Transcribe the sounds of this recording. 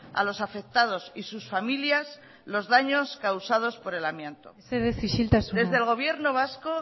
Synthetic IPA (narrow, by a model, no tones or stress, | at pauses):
a̰losafe̞k̚t̪að̞o̞sisusfamiljas | lo̞zðaɲo̞skawsað̞o̞spo̞ɾe̞lamjẽnt̪o̞̰eseðeθiʃilt̪asd̪e̞zðelɣ̞o̞β̞je̞ɾno̞β̞asko̞